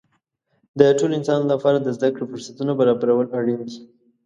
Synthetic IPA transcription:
d̪əʈoloɪnsɑnlapɑɾad̪əzd̪akɽofʊɾsat̪unabaɾɑbaɾawəlaɽinki

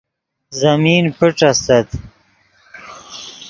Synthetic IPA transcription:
zamiːnpiʈ͡ʂast̪ɐt̪

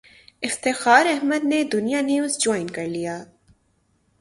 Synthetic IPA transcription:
ɪft̪ɪxaːɾɛɦməd̪ned̪ʊnijaniuːzd͡ʒɔːɪnkɐɾlijaː

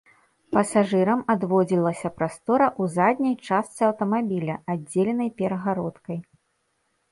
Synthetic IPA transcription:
pɐsaʐɨɾɐmad̪vɔd͡zʲilˠɐsʲɐpɾast̪ɔɾɐʔuzad̪ʲnʲɐjt͡ʂast̪sɨɐwt̪ɐmabʲilʲɐadd͡zʲːelʲɛnɐjpʲɛɾɐɣaɾɔt̪kɐj

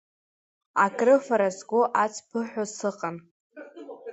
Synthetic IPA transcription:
akʼrɨfaɾazɡʷoʔat͡sʰʼpʰɨħʷᶣosɨqʼan

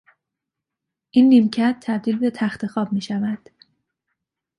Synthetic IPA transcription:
ʔinːiːmcʰæt̪̚ʰːæbd̪iːlbe̞t̪ʰæxt̪ʰe̞xɒːb̚miːʃævæd̪̥

